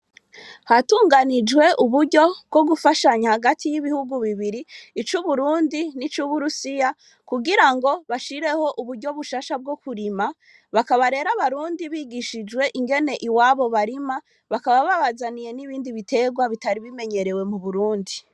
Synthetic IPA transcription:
hatuːŋɡanid͡ʒwe̞ʔuβuɾɟo̞bɡo̞ɡufaʃaɲahaɡatʰijiβihuɡuβiβiɾiːt͡ʃuβuɾuːndinit͡ʃuβuɾusija | kuɡiɾaŋɡo̞βaʃiɾe̞ho̞ʔuβuɾɟo̞βuʃaːʃab̚ɡo̞kuɾima | βakaβaɾe̞ːɾaβaɾuːndiβiːɡiʃid͡ʒwe̞ʔiŋɡe̞ne̞ʔiwaːβo̞βaɾima | βakaβaβaβazanije̞niβiːndiβitʰe̞ɡwaβitaɾiβime̞ɲe̞ɾe̞we̞muβuɾuːndi

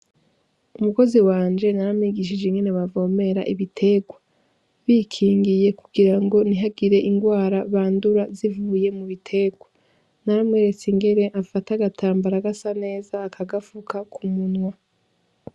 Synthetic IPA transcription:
umuko̞ziwaːnd͡ʒe̞naɾamŋiːɡiʃ̬id͡ʒeŋɡe̞neβavo̞ːme̞ɾa̰ʔiβitʰe̞ɡwa | βiːkʰiːŋɡije̞kuɡiɾaŋɡo̞niɦaɡiɾe̞ʔiŋɡwaːɾaβaːnduɾazivuːje̞muβitʰe̞ɡwa | naɾamŋeːɾe̞t͡siŋɡe̞ɾe̞ʔafataɡatʰaːmbaɾaɡasane̞ːzaːkʰaɡafukʰakʰumunŋwa

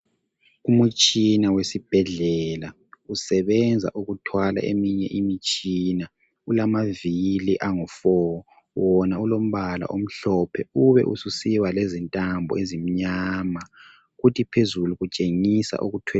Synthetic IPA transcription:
umut͡ʃʼinawesib̥ʱɛɮɛla | usɛβɛnd͡zʱa̰ʔuɣutʰwala̰ʔemiɲɛʔimit͡ʃʼina | ulamaviliʔaŋufɔ | wɔnaulom̩βala̰ʔom̩ɬɔpʰɛuβɛ̰ʔṵsusiwalezintʼambʱɔ̰ezim̩ɲaːma | ɣutʰipʰezuluɣut͡ʃʼeŋisa̰ʔuɣutʰwɛ

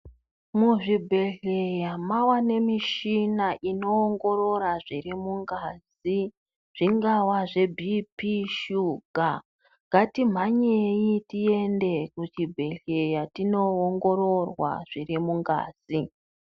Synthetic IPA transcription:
muʐibʱe̞ɮejamawane̞miʃinaʔino̞ːŋɡo̞ɾo̞ɾaʐirimuŋɡaːz | i | ʐ̥iŋɡawaʐe̞bʱipiʃuɡʱa | ŋɡʱatim̤aɲejitie̞nde̞kut͡ʃibʱe̞ɮe̞jatino̞ːŋɡo̞ɾo̞rwa̰ʐ̥irimuŋɡa̰ːzi

